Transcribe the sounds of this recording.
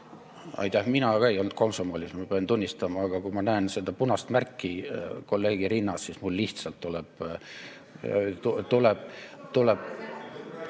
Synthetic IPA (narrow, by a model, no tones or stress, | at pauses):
ɑ̰jt̪ːˑæhminɑkɑejo̞lnt̪̚ko̞msomoːlʲismɑpeɑnt̪unʲːist̪ɑmɑːɡ̥ɑkumɑnæense̞d̪̥ɑpunɑst̪mærkːiko̞lːe̞ːɡ̥iɾinːɑssismulːiht̪sɑlt̪ːulɛb̥ | t̪ut̪ulɛb̥̚t̪uleb̥